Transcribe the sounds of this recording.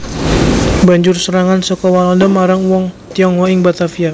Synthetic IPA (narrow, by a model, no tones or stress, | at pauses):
baɲd͡ʒʊrsəɾaŋansəkɔwalɔndəmaɾaŋwɔŋt̪iɔŋɔiŋbat̪afia